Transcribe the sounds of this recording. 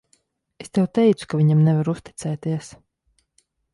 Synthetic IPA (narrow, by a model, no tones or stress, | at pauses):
est̪ɛwt̪ɛjt̪su̥kavʲiɲamnɛvaɾust̪it̪sɛːt̪iɛs